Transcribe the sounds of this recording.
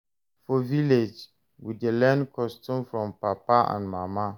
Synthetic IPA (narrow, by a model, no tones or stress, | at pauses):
fɔviled͡ʒ | widelɛ̃nkʰɔstʰũmfɾɔ̃mpapaã̰nmãmã